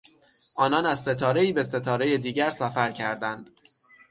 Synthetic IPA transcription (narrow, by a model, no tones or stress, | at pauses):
ʔɒːnɒːnæz̥se̞t̪ʰɒːɾe̞iːbe̞se̞t̪ʰɒːɾe̞jed̪iːɟæɾsæfæɾcʰæɾd̪ænd̪̥